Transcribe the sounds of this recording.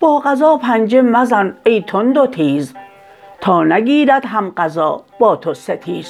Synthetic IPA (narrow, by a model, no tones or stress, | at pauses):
b̥ɒːɢæzɒːpʰænd͡ʒemæzænejt̪ʰond̪ot̪ʰiːz | t̪ʰɒːnæɡiːɾæd̪ɦæmɢæzɒːb̥ɒːt̪ʰoset̪ʰiːz̥